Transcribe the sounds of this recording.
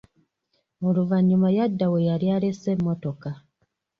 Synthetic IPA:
oluvaɲːumajadːawejaɾjalese̞mːoto̞ka

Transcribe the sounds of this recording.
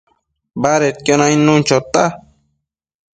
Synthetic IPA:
baɾet̪̚kʲonainːunt͡ʃot̪a

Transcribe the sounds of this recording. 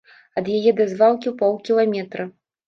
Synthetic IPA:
ɐd̪jajɛd̪ɐzvalˠkʲiwpɔlˠkʲilˠamʲɛt̪ɾɐ

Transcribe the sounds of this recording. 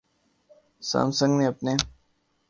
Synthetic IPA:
sa̰ːmsə̃ŋɡneɐpneː

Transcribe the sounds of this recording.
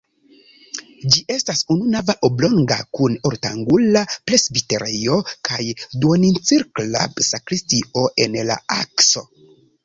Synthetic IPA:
d͡ʒiʔe̞stasununavaʔoblo̞ŋɡa̰kuno̞ɾta̰ŋɡulaple̞sbite̞ɾejo̞kajdwonint͡siɾkla̰bsakɾistio̞ʔe̞nla̰akso̞̰

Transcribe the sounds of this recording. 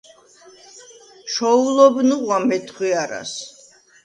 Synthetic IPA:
ʃɔulɔbnuqʼwamɛt̪ʰχwiaɾa̰s

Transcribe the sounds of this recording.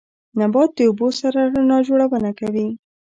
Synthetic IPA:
nabɑt̪̚d̪əubosaɾanɑd͡ʒoɽawənakawi

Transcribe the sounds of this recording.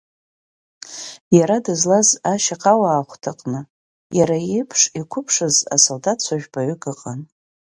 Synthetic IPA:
jaɾadɨzlazaʃaqʼawaːχʷtʰaqʼnɨ | jaɾajejpʰʂikʷʰʊpʰʂɨza̰soldat̚ʰt͡ɕʷʰaʒᶣbaɥʏɡɨqʼan

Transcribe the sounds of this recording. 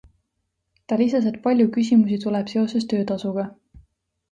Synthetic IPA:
t̪ɑlisɑs̬e̞t̪̚pɑlʲjukysʲimusit̪ulɛb̥se̞o̞se̞st̪ø̞ːt̪ɑsuɡ̥ɑ

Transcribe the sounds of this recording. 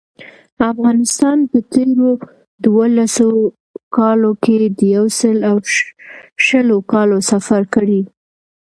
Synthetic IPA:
afɣɑnɪst̪ɑnpət̪eɾo | d̪wolaso | kɑloked̪əjawsəlaw | ʃəlokɑlosafaɾkəɽi

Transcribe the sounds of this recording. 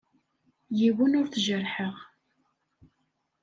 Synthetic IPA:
jiwənʊɾθʒəɾħəʁ

